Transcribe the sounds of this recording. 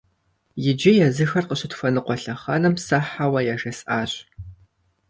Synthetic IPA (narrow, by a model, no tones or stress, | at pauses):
jɪd͡ʒɪjɛzɨxɐrqəɕɪtʰfɐnɨqʷɔɬɐχɐnɐmsɐħawɐjaʒɐsʔaːɕʼ